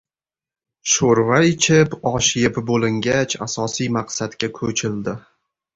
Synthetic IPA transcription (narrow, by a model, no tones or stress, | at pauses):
ʃoɾvaet͡ʃʰɪpɒʃɪjɪpbolɪŋɡʲat͡ʃʰa̰sɒsijmaqsat̪kʲakʰɵt͡ʃʰɪld̪ɪ